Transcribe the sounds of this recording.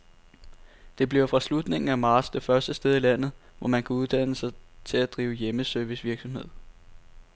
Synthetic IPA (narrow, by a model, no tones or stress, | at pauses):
d̥e̝b̥liɐʊfʁɑ̈slud̥ne̝ŋn̩æmɑ̥̈ːsd̥e̝fɶɐsd̥əsd̥eð̞ˠilæn̰ð̩ˠʋɒmænkʰæuð̞ˠd̥æn̰əsɑ̈ɪt͡sʰe̝læd̥ʁiːʊjeməsøɐʋisʋiɐɡ̥sɒ̽mhe̝ð̰ˠ